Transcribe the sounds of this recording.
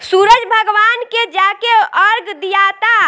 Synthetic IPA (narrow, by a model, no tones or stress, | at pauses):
suɾəd͡ʒbʱəɡʋaːnked͡ʒakeəɾɡd̪ijat̪a